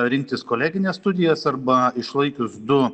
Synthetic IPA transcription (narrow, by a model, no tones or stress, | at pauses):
ɾʲɪŋk̚t̪ʲɪskoːlʲæːɡʲɪnʲeːsst̪ʊd̪ʲɪjɛsɐɾbɐɪʃlˠɐɪkʲʊsd̪ʊ